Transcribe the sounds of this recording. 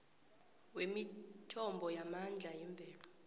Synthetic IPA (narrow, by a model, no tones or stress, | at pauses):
wemitʰɔmbʱɔjamand͡ɮʱaiɱb̪vʱɛːlɔ